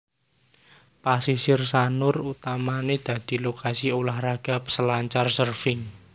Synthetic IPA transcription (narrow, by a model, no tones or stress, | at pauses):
pasisɪrsanʊrut̪amaned̪̥ä̤d̪̥i̤lokasiolahraɡ̥a̤psəlaɲt͡ʃarsərfɪŋ